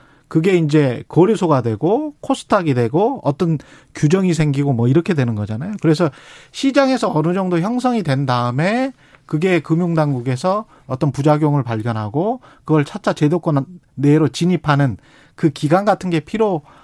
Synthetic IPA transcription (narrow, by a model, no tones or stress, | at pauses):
kɯɡe̞ind͡ʑe̞kʌɾisʰoɡadwe̞ɡokʰosʰɯ̥tʰaɡidwe̞ɡoʌ̰t͈ʌn | kjud͡ʑʌŋisʰe̞ŋɡiɡomʌiɾʌkʰe̞dwe̞nɯnɡʌd͡ʑanajokɯɾe̞s̬ʰʌɕʰid͡ʑaŋe̞sʰʌʌnɯd͡ʑʌŋdoçjʌŋsʰʌŋidwe̞ndaɯme̞ | kɯɡe̞kɯmjuŋdaŋɡuɡe̞sʰʌ | ʌt͈ʌnpud͡ʑaɡjoŋɯɭpaɭɡjʌnɦaɡo | kɯɡʌɭt͡ɕʰat͡ɕ͈ʰat͡ɕe̞dok͈ʌnː | eɾot͡ɕiɲipʰanɯn | kɯkiɡanɡatʰɯnɡe̞pʰiɾo